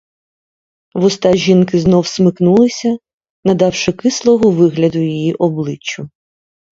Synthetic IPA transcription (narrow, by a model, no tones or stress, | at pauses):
ʋʊst̪ɑʒinkɪznɔwsmɪknulˠɪsʲɐ | nɐd̪ɑwʃɪkɪslˠɔɦɔʋɪɦlʲɐd̪ʊjijiʔɔblˠɪt͡ʃːʊ